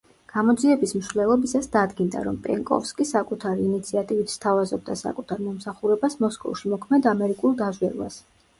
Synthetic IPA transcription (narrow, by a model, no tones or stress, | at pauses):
ɡ̥amɔd̪ziɛbismʃvlɛlˠɔbisasd̪ad̪ɡind̪a̰ɾɔmpʼɛŋkʼɔ̰fskʼisakʼut̪ʰaɾiːnit̪sʰiat̪ʼivit̪ʰst̪ʰavazɔb̚d̪asa̰kʼut̪ʰaɾmɔmsaχuɾɛbasmɔskʼɔ̰fʃimɔkʰmɛd̪amɛɾikʼulˠd̪azwɛɾva̰s